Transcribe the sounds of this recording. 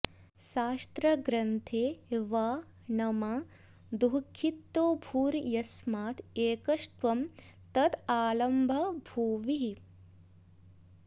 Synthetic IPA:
ʃaːst̪ɾɐɡɾɐnt̪ʰeːʋaː | nɐmɐ | d̪uɦkʰːit̪ːoːbʱuːɾjɐsmaːt̪eːkɐʂt̪ʋɐmt̪ɐt̪aːlɐmbʱɐbʱuːʋi

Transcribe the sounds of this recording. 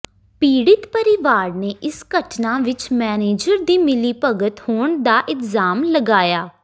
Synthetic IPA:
piːɽɪt̪pəɾɪʋaːɽneːʔɪskəʈʰnãːʋɪt͡ʃmɛːneːd͡ʒəɾd̪iːmɪliːpəɡət̪hoːɳd̪aːʔɪlzaːmləɡaːjaː

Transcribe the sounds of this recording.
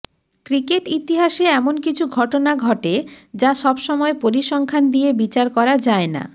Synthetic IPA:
kɾikeʈit̪iɦaʃeɛmonkit͡ɕʰuɡʱɔʈonaɡʱɔʈed͡ʑaʃɔbʃɔmɔepoɾiʃɔŋkʰand̪iebit͡ɕaɾkɔɾad͡ʑaena̰

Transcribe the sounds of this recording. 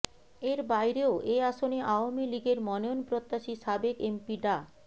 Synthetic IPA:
eɾbajɾeoʔeaʃoneʔaoamiliɡeɾmɔneonpɾot̪ːaʃiʃabekempiɖa

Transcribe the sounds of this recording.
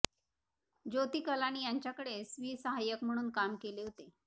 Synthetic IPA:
d͡ʑot̪iːkəlañiːjaɲt͡ɕjakəɽesʋiːsəɦajəkm̤əɽ̃uːnkamkeleɦot̪e

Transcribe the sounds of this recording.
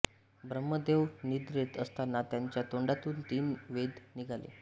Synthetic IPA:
bɾəmːəd̪eʋnid̪ɾet̪əst̪anːat̪jaɲt͡ɕjat̪oɳɖat̪uːnt̪iːmʋed̪niɡʱalḛ

